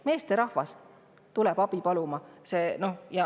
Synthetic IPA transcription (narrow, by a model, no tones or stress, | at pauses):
me̞ːst̪eɾɑhvɑs | t̪ulɛb̥ɑb̥ipɑlumɑseno̞jɑ